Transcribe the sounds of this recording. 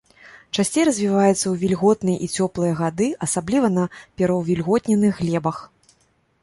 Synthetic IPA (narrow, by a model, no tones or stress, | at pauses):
t͡ʂasʲt͡sʲejɾɐzʲvʲivajɛt̪sːɐwvʲilʲɣɔt̪nɨjɐʔit͡sʲɔplˠɨjɐɣad̪ɨʔɐsablʲivɐnɐpʲɛɾɐwvʲilʲɣɔt̪ʲnʲɛnɨxɣːlʲɛbɐx